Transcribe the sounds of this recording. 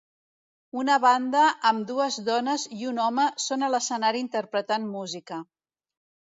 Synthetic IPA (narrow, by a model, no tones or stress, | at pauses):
unəβand̪əʔəmd̪uəzðɔnəziunɔməsonələsənaɾiːnt̪əɾpɾət̪anmuzikə